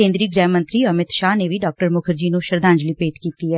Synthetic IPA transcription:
ẽːnd̪ɾiːɡɾɛ̃ːmə̃nt̪ɾiːəmɪt̪ʃaːneːʋiɖaːk̚ʈəɾmʊkʰəɾd͡ʒiːnũʃəɾd̪ãːɲd͡ʒliːpeːʈkiːt̪iːɦɛː

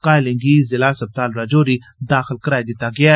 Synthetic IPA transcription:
kaːɪlɪ̃ŋɡiːzɪlaːsɐb̚t̪aːlɾad͡ʒoːɾi | d̪aːxɪlkəɾaːid̪ɪt̪aɡɐja

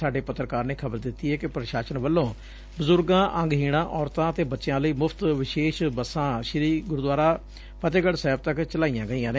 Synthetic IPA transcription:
aːɖeːpət̪ːɾəkaːɾneːkʰəbəɾd̪ɪt̪ːiːɦɛːkɪpɾəʃaːʃənʋəlːõː | bəzʊɾɡãːʔəŋɡɦiːɽ̃ãːʔɔːɾt̪ãːət̪eːbətːʃɪjãːləiːmʊpʰt̪ʋɪʃeːʃbəsːãːʃɪɾiːɡʊɾd̪waːɾaː | pət̪eːɡəɽsɛːb̚t̪əkt͡ʃəlaːijãːɡəiːjãːneː

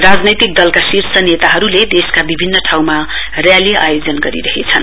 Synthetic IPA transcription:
rad͡znʌjt̪ik̚d̪ʌlkasirsʌnet̪aɦʌɾuled̪eskabibʱinːʌʈʰawma | rjaliʔa̰jod͡zʌnɡʌɾḭɾʌɦet͡sʰʌn

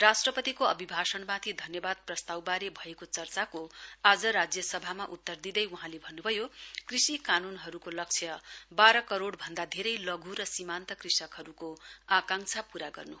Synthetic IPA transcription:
rasʈrʌpʌt̪ikoʌ̰bibʱasʌnmãt̪ʰid̪ʱʌnjʌbad̪̚prʌst̪awbaɾebʱʌekot͡sʌrt͡sakoad͡zʌɾad͡zjʌsʌbʱamaʔut̪ːʌrd̪id̪ʌjuɦãlebʱʌnːubʱʌjokrisikanunɦʌɾukolʌk̚t͡sʰjʌbaɾʌkʌɾoɽbʱʌnd̪ad̪ʱeɾʌjlʌɡʱuɾʌsimant̪ʌkrisʌkɦʌɾukoakãŋt͡sʰapuɾaɡʌ̰rnu

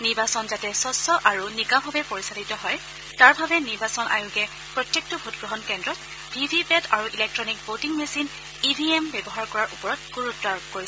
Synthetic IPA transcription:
niɹbasɔnzatɛsɔsɔʔaɹunikabʱɔbɛpoɹisalitɔɦɔj | taɹbʱabɛniɹbasɔnʔa̰juɡɛ | pɹɔtjek̚tɔbʱutɡɹɔɦɔnkɛndɹɔt̚ | bʱibʱipɛtaɹuʔilɛk̚tɹɔnik̚botiŋmesin | ibʱiɛmbɛbɔɦaɹkɔɹaɹʔupɔɹɔt̚ɡ̥uɹutːaɹkoɹis

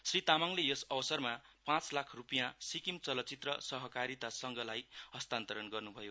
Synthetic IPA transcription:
srit̪amaŋlejʌsʌbʌsʌrmapãt͡slakʰrupijãsikimt͡sʌlʌt͡sit̪rʌsʌɦʌkaɾit̪asʌŋɡʌlajɦʌst̪ant̪ʌɾʌnɡʌrnubʱʌjo

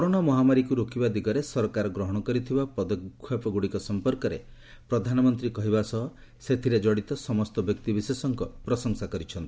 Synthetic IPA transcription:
kɔɾoɽ̃amɔɦamaɾikuɾokibad̪iɡɔɾesɔɾɔkaɾɔɡɾɔɦɔɽ̃ɔkɔɾit̪ʰibapɔd̪ɔkkʰːjɔpɔɡuɽikɔsɔmpɔɾkɔɾḛ | pɾɔd̪ʱanɔmɔnt̪ɾikɔɦibasɔɦɔ | set̪ʰiɾed͡ʒɔɽit̪ɔsɔmɔst̪ɔbjɔk̚t̪ibisesɔŋkɔpɾɔsɔŋsakɔɾit͡ʃʰɔnt̪i̥

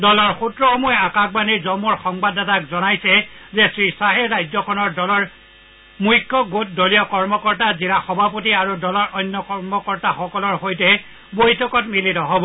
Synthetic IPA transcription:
dɔlɔɹxutɹɔxɔmɔjakak̚baniɹzɔmɔɹxɔŋbadatakzɔnajsɛzɛsɹisaɦɛɹajzɔkʰɔnɔɹdɔlɔɹ | mujkʰːɔɡot̚dɔlijɔkɔɹmɔkɔɹtazilaxɔbʱap̬ot̬iaɹudɔlɔɹʔɔjnːɔkɔɹmɔkɔɹtaxɔkɔlɔɹxojtɛ | bojtʰɔkɔtmilitɔɦobɔ

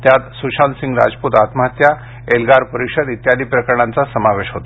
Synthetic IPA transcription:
t̪jat̪suɕansĩŋɡɾa̰d͡zput̪at̪məɦat̪ja | elɡaɾpəɾikʂəd̪it̪jad̪iːpɾəkəɾəɳãnt͡sasəmaʋeɕɦot̪o

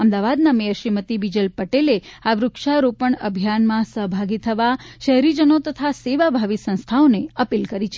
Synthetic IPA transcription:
əmd̪aʋad̪namejəɾʃimət̪ibid͡ʒəlpəʈeleaʋɾʊkʃaɾopəɳəbʱjanmãsəɦbʱaɡit̪ʰəʋaʃəɦɾid͡ʒənot̪ət̪ʰaseʋabʱaʋisə̃nst̪ʰaoneəpilkəɾit͡ʃʰe

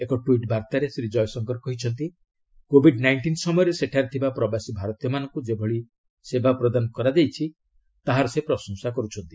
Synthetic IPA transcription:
ekɔʈuiʈbaɾt̪aɾesɾid͡ʒɔjsɔŋkɔɾɔkɔɦit͡ʃʰɔnt̪i | kobʱiɖnajɳʈinsɔmɔjɔɾeseʈʰaɾit̪ʰibapɾɔbasibʱaɾɔt̪ijɔmanɔŋkud͡ʒebʱɔɭi | sebapɾɔd̪anɔkɔɾad̪ejt͡ʃʰi | t̪aɦaɾɔsepɾɔsɔŋsakɔɾut͡ʃʰɔnt̪i

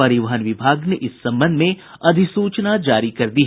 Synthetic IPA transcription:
ɐɾɪʋaɦənʋɪbʱaːɡneʔɪsːɐ̃mbə̃nd̪ʱmẽ | ɐd̪ʱɪsuːt͡ʃnad͡ʒaːɾikɐɾd̪iːɦ

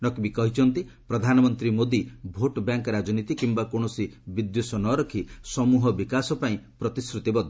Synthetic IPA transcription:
nɔkibikɔɦit͡ʃʰɔnt̪i | pɾɔd̪ʱanɔmɔnt̪ɾimod̪ibʱoʈbjaŋkɔɾad͡ʒɔnit̪ikimbakoɳ̃ɔsibid̪josɔnɔɾɔkʰisɔmuɦɔbikasɔpaĩpɾɔt̪iskɾut̪ibɔd̪ʱ

